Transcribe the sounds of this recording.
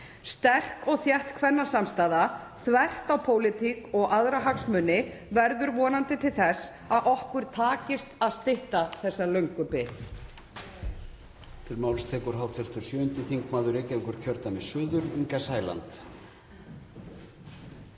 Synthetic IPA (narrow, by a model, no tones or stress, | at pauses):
st̪ɛr̥kɔɣθjɛht̪kʰvɛnːasamst̪aːða | θvɛr̥t̪awpʰoːwlɪt̪ʰikɔɣʔaðɾaɦaksmʏnːɪ | vɛɾðʏɾvɔːnant̪ɪt̪ʰɪlθɛs | aðʔɔhkvʏɾ̥t̪ʰaːcɪst̪aðst̪ɪht̪aθɛsːalœɥŋkʏpɪθ | t̪ʰɪlmawlst̪ʰɛːkʏɾ̥ɦawt̪ʰɛr̥t̪ʏɾ̥sjœːʏnt̪ɪθiŋkmaːðʏɾeːjcɛŋkʏɾ̥cʰœɾt̪amɛðsʏːðʏɾiŋkasaːjla̰nt̪